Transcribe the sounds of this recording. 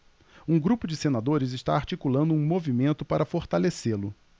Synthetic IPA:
ũɡɾupʊd͡ʒɪsenad̪oɾɪzɪʃt̪a̰aɾt͡ʃikulɐ̃nd̪ʊũmovimẽnt̪ʊpaɾɐfoɾt̪aleselʊ

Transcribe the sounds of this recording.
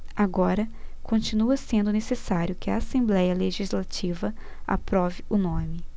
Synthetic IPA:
aɡɔɾɐkõnt͡ʃinuɐsẽnd̪ʊnesesaɾjʊkɪɐasẽmblɛjɐleʒizlat͡ʃivɐ | a̰pɾɔvɪʊnõmɪ

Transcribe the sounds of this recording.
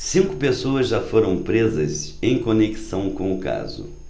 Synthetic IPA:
sĩŋkʊpesoɐzʒafoɾɐ̃w̃pɾezɐzẽj̃koneki̥sɐ̃w̃kõw̃ʊka̰zʊ̰

